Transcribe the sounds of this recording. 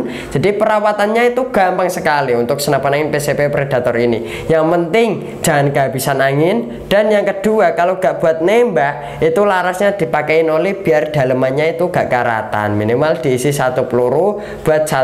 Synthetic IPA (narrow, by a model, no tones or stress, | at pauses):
d͡ʒ̥adipəɾawat̪anɲait̪uɡ̥a̤mpaŋsəkaliunt̪ʊk̚sənapanaŋɪnpesepepɾed̥a̤t̪ɔɾini | jaŋpənt̪ɪŋ̥ | d͡ʒ̥aɦanɡab̥isanaŋɪn | d̥a̤njaŋkəd̥uakaloɡ̥aʔb̥uat̪̚nembaʔ | it̪ulaɾasɲad̪̥i̤pakɛɪnolɛhb̥i̤ard̪̥a̤ləmanɲait̪uɡ̥aʔkaɾa̰t̪a̰nminimald̪̥i̤ːsɪsat̪upluɾu | b̥uat̪̚sa